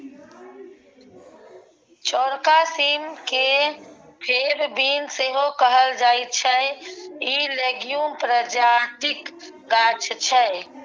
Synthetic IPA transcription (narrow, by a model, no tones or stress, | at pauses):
t͡ʃɔɾkasimke | pʰebbiːnseɦokəɦəld͡ʒaːit̪̚t͡ʃʰɛ | ileɡjumpɾəd͡ʒat̪ɪk | ɡat͡ʃʰt͡ʃʰɛ